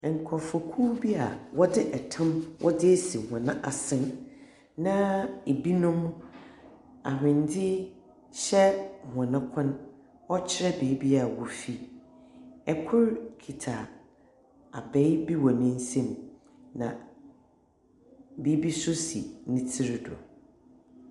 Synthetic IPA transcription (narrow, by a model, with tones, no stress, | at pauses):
ŋ̩˨kʰɔ˨fɔ˨kʰuː˦bi˦a˨wɔ˦dɪ˦ʔɛ˨tʰã˦mwʔɔ̰˦dɪ˦si˨hã˨nã˦ʔa˨sɪ̃˦n | nã˦e˨bi˦nʊ̃˦m | a˨ɦᶣɪ̃˨ndɪ˦ | ɕɛ˦˨hã˨nã˦kʷʰã˦n | ɔ˦t͡ɕʰɪ˦ɾɛ˦be˨i˦bi˦a˨wɔ˨fi˦ | ɛ˨kʰʊ˦ɾkʰi˨tʰa˨ | a˨bɛ˦jbi˦wɔ˨nʊ̃˦n̩˦sĩ˦m | nã̰˨ | beː˨˦bi˦sʊ˦sḭ˨nɪ̃˦tʰɪ˦ɾdɔ̰˨